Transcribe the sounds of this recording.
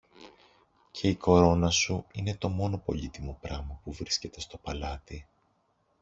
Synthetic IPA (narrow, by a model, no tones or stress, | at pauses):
cʰe̞iko̞ɾo̞nɐsuine̞t̪o̞mo̞no̞po̞̰ʎit̪imopɾɐmɐpuvɾisce̞t̪e̞st̪o̞pɐlɐt̪i